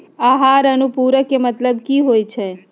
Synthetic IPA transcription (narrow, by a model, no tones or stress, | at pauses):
aɦaɾənũpuɾəkemət̪ləbkiɦojt͡ʃʰe